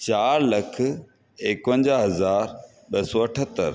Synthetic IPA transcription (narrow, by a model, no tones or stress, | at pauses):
t͡ɕaːɾlɐkʰ | eːkpə̃ɲd͡ʑaɦɐzaːɾ | ɓɐsɔːɐʈʰət̪ːəɾ